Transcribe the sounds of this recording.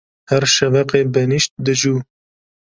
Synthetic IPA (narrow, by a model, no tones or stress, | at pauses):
hɛɾʃɛvɛqeːbɛniʃt̪̚d̪ɨʒuː